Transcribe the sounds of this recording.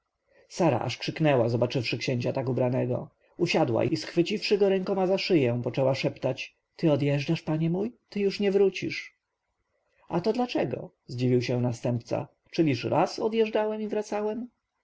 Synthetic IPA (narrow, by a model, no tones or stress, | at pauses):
saɾa̰ʔa̰ʂkʂɘknɛwazɔbat͡ʂɘfʂɘkɕeɲt͡ɕat̪akubɾanɛɡɔ̰ | uɕad̪wa̰isxfɘt͡ɕifʂɘɡɔɾɛŋkɔmazaʂɘjɛ̃pɔt͡ʂɛwaʂɛpt̪at͡ɕ | t̪ɘɔd̪jɛʐɖaʂpaɲɛmujt̪ɘjuʂɲɛvɾut͡ɕḭʂ | at̪ɔd̪lat͡ʂɛɡɔ̰ | zd͡ʑivʲiwɕɛ̃nast̪ɛmpt̪sa̰ | t͡ʂɘlʲiʂɾʔasɔd̪jɛʐdawɛmivɾat̪sawɛm